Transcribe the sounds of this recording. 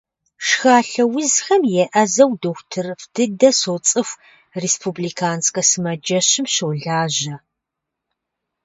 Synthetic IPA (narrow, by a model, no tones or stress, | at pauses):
ʂxaːɬɐwʊzxɐmjɛʔɐzɐwdoxʷtʰɨrfd̥ɨdɐsot͡sʼɨxʷ | reːspʰubliːkʰaːnskʼɐsɨmɐd͡ʒɐɕɪmɕoːɮaːʑɐ